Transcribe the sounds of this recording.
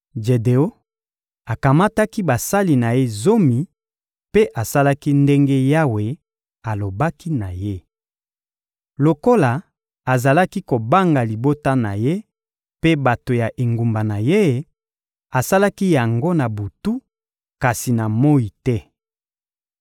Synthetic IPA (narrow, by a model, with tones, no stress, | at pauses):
d͡ʒe˨de˨o˦ | a˨ka˨ma˦ta˦ki˦ba˨sa˦li˨na˨je˦zo˦mi˨ | pe˦ʔa˨sa˦la˦ki˦nde˦ŋɡe˦ja˦we˨ | a˨lo˨ba˦ki˦na˨je˦ | lo˨ko˦la˨ | a˨za˨la˦ki˦ko˨ba˦ŋɡa˨li˨bo˦ta˦na˨je˦ | pe˦ba˨to˨ja˨ʔe˨ŋɡu˨mba˨na˨je˦˨ | a˨sa˦la˦ki˦ja˨ŋɡo˦na˨bu˨tu˦ | ka˨si˨na˨mo˦ji˨tɛ˦